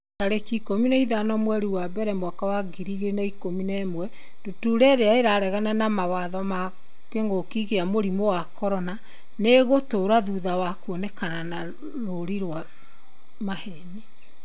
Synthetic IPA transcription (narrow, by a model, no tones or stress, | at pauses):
taɾekikominaiðanɔmwɛɾiwabɛɾɛmwakawaɡiɾiɣenaikominɛmwɛ | d̥otuɾɛɾeaeɾaɾɛɣananamawaðɔma | keŋɡokiɣeamoɾimowakɔɾɔna | neɣotoɾaðuðawakwɔnɛkanana | ɾoɾiɾwa | mahɛni